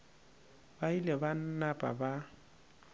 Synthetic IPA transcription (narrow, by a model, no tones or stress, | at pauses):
bailɛban̩napʼa̰ba